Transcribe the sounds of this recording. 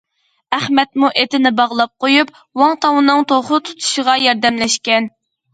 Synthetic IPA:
æχmɛt̪muʔet̪ɪnɪbɑʁlˠɑp̚qojup̚ | wɑŋt̪ʰɑwɨnɨŋt̪oχʊt̪ʰu̥t̪ʰu̥ʃəʁɑjɑɾd̪ɛmlɛʃkʲɛn

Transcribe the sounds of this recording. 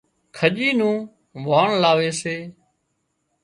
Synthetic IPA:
kʰəʄiːnũː | ʋaːɳlaːʋeːseː

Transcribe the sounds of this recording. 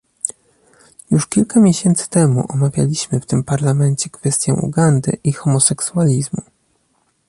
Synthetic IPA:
juʂkʲilkamʲjeɕɛnt̪sɘ̥t̪ɛmṵʔɔmavʲja̰lʲiɕmɘft̪ɘmpaɾlamɛɲt͡ɕɛkfɛst̪ʲjɛ̰ṵɡand̪ɘ̰ʔixɔmɔsɛksualʲizmu

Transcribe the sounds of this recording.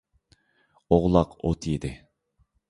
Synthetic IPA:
oʁlˠɑqo̰t̪ʰjed̪ɪ

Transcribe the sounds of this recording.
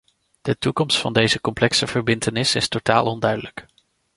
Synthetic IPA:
d̥ətukɔmstfɑ̰ndejzəkɔmplɛksəv̥əɹbɪntənɪsɪstota̰ːlˠɔndœɥdələk

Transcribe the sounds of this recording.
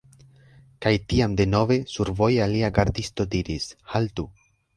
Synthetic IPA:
kajtiamde̞no̞ve̞suɾvo̞jaliaɡaɾdisto̞diɾishaltu

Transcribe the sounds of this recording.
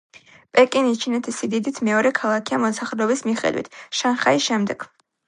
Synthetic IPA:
pʼɛkʼinit͡ʃʰinɛt̪ʰisid̪id̪it̪ʰmɛɔɾɛkʰalˠakʰiamɔsaχɾɛɔbismiχɛ̰d̪wḭt̪ʰʃanχaisʃɛmd̪ɛɡ̥

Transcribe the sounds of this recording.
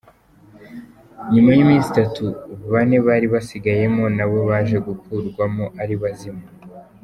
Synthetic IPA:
ɲumajimiːzitatuβane̞βaːɾiβasiɡaje̞mo̞naβo̞βaːʒe̞ɡukuɾɡwamoʔaɾiβazima

